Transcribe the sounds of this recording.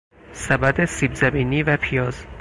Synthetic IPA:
sæbæd̪esiːbzæbiːniːvæpʰijɒːz

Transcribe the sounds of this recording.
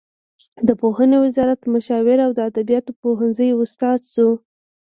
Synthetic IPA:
d̪əpohənewɪzɑɾat̪mʊʃɑwɪɾawd̪əad̪abijɑt̪opoɦənzəjʊst̪ɑd̪su

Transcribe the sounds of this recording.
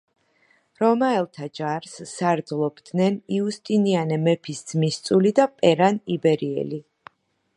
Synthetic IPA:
ɾɔmaɛlˠt̪ʰad͡ʒaɾsːaɾd̪zlˠɔbd̪nɛniust̪ʼinianɛmɛpʰisd̪z̥mist̪sʼulid̪apʼɛɾanibɛɾiɛ̰li

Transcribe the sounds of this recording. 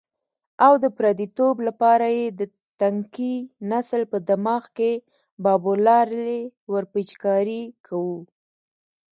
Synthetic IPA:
awd̪əpɾɑd̪it̪oblapɑɾajed̪ə | t̪aŋkinaslpəd̪amɑxke | bɑbolɑɾewəɾpit͡ʃkɑɾikʰawu

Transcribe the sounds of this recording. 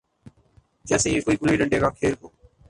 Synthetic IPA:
d͡ʒɛːseːeːkoːiːkʊliːɗəɳɖeːkaːkʰeːɾɦoː

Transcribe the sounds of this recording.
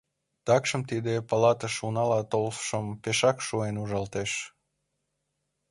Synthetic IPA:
t̪ɑkʃə̆mt̪id̪epɑlɑt̪əʃunɑlɑt̪olfʃəmpeʃɑkʃuenuʒɑlt̪eʃ

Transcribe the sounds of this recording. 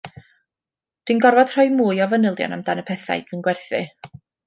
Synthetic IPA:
d̥winɡɔrvɔd̥r̥ɔɨmuːjɔvənɪlˠdjɔ̰namd̥anəpʰɛθa̰jdwɨnɡwɛrθɨ

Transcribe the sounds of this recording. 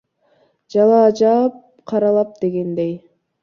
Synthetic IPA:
d͡ʒɑlˠɑːd͡ʒɑp̚ | qʰɑɾɑlˠɑp̚d̪̥e̞ɡe̞nd̪ej

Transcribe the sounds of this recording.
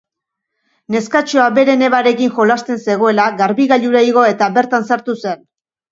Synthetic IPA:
ne̞skat͡ʃo̞abe̞ɾe̞ne̞βaɾe̞kinxo̞last̪e̞nse̞ɣ̞o̞e̞laɣaɾβiɣaʎuɾeiɣ̞o̞e̞t̪abe̞ɾt̪ansaɾt̪use̞n

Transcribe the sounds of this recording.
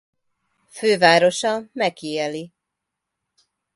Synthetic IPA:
føːvaːɾo̞ʃɒmɛkːiɛli

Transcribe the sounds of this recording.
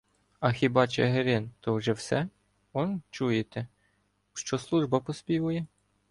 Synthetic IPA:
ɐxʲibɑt͡ʃɛɦeɾɪnt̪ɔwʒɛwsɛ | ɔnt͡ʃujet̪ɛ | ʃt͡ʃɔslˠuʒbɐpɔspʲiʋʊjɛ

